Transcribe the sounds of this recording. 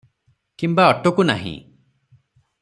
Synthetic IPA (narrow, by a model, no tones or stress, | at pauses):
kimbaɔʈokuna̰ɦḭ̃